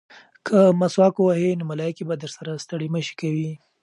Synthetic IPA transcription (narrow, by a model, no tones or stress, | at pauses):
kʰəmaswɑkowahenʊmalɑjkibad̪əɾsaɾast̪əɽeməʃe̥kawi